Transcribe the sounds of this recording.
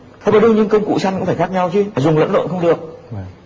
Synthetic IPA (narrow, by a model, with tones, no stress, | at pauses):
t̪ʰə˧vaː˨˩ɗɨ˧wɲɨ˧ŋkə˧wŋ͡mkṵ˧˨t͡ɕa˧jŋkṵ˧˥faː˧˩xa˦˥k̚ɲa˧wt͡ɕi˧aː˨˩zʊ˨˩ŋ͡mlə̰˧˥nlo̰˧˨nxə˧ŋ͡mɗɨ˨˩ək̚